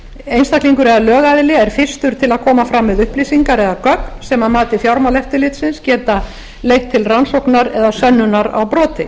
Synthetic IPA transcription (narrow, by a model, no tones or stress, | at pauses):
ejnst̪akliŋkʏɾɛðalœːɣaðɪlɪɛɾ̥fɪ̥st̪ʏɾ̥t̪ʰɪlaðkʰɔːmafɾamːɛðʏhpliːsiŋkaɾɛðakœkn̥sɛmaðmaːt̪ɪfjawɾmawlɛft̪ɪlɪt̪sɪnscɛːt̪a | lejht̪ʰːɪlransowknaɾɛðasœnːʏnaɾa̰wpɾɔːt̪ɪ